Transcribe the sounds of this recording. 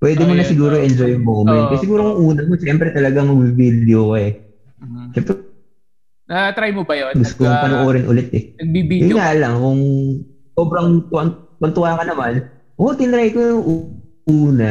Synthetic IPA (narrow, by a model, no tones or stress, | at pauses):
pwʔɛːd̪ɛmonɐsɪɡuːɾoʔɛnd͡ʒojŋmowmɛn̚kɐsɪɡuːɾokʊŋʔuːnɐmoʃɛmpɾɛt̪ɐlɐɡaŋmɐɡ̚bibid̪ɛʔokoɛ | ʃɛmpɾɛ | at̪ɾajmobɐjoɡʊt̪kompɐnoʔoːɾɛnʔʊ̰lɛt̪ɛɐɡ̚bibijʊŋalɐŋkʊŋ | soːbɾɐŋt̪ʊɐnkwɐnt̪ʊaːkɐnɐman | ʔot̪ɪnɾajkojʊŋʔu | uːnɐ